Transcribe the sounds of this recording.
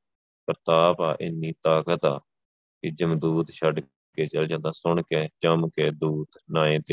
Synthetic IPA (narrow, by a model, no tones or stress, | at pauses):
kəɾt̪aːpaːʔɪnːiːt̪aːkət̪aː | kɪd͡ʒəmd̪uːd̪ʃəɖ | keːt͡ʃəld͡ʒãːd̪ãːsʊɳkeːt͡ʃəmkeːd̪uːt̪nãːẽːt̪eː